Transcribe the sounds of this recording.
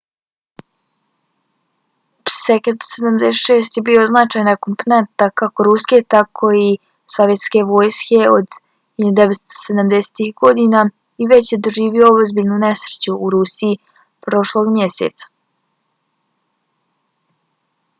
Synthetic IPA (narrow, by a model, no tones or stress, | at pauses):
psekent̪sed̪amd̪eʃeːs̬t̪jebio̞znat͡ʃaːjnakomponent̪akako̞ɾuske̞t̪akʰo̞i | soʋje̞t̪skʲe̞ʋoːjskʲe̞od̪ | hiud̪eʋet̪st̪o̥sed̪amd̪ese̥t̪ixɡo̞d̪ina | iʋe̞t͡ɕjed̪o̞ʒiːʋioozbiʎnune̞sɾet͡ɕuʔːɾusii | pɾo̞ʃlˠo̞ɡmjesḛt̪sḁ